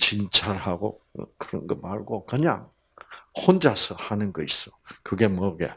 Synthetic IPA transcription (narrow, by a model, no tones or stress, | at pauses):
t͡ɕint͡ɕʰaɭhaɡo̰kɯɾʌnɡʌmaɭɡokɯɲa̰ŋ | hond͡ʑasʰʌhanɯnɡʌis͈ʌkɯɡe̞mʌɡḛ